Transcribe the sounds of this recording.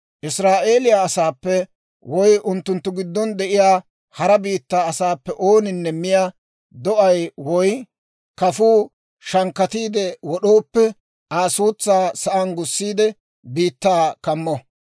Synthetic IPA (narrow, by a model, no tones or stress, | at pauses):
ʔɪsɾaːʔe̞ːlɪjaːsaːpːɛ | wɔjʔʊnt̪ːʊnt̪ːʊɡɪd̪ːɔnd̪ɛʔɪjaː | hɐɾɐbiːt̪ːaːɐsaːpːɛʔoːnɪnːɛmːɪjaː | d̪ɔʔɐjwɔj | kɐfuː | ʃɐŋkːɐt̪iːd̪ɛwɔɗoːpːɛ | ʔaːsuːt͡sːaːsɐʔɐnɡʊsːiːd̪ɛ | biːt̪ːaːkɐmːɔ